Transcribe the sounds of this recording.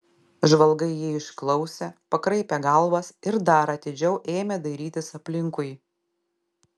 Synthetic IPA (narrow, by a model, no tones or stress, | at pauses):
ʒʋɐlˠˑɡɐɪjiɪʃklˠɒʊsʲepɐkɾɐɪpʲɛɡɐlˠʋɐsɪɾd̪ɐɾɐt̪ʲɪd͡ʒʲɛʊʔeːmʲɛd̪ɐɪɾʲiːt̪ʲɪsɐpʲlʲɪŋkʊɪ